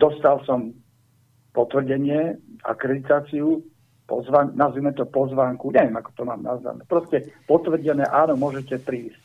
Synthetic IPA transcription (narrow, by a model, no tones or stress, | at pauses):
d̪ɔst̪alsɔm | pɔt̪ʋr̩ɟɛɲɪɛa̰kɾɛd̪it̪aːt͡siu | pɔ̰zʋaɲnazʋimɛt̪ɔpɔzʋaːŋkuɲɛʋjɛmakɔ̥t̪ɔma̰ːmnazʋa̰nɛːpɾɔscɛpɔt̪ʋr̩ɟɛnɛ̰ːʔaːnɔmʊɔʒɛcɛpɾiːsc